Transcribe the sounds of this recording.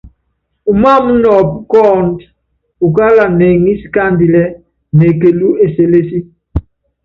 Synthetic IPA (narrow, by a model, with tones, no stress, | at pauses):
u˨ma˦mu˦nɔ˨pkɔ˦˨nd | u˨ka˦la˨nɛ˨ŋi˦si̥˨ka˦˨ndi˨lɛ˦ | ne˨ke˨lu˦e˨se˨le˦si˦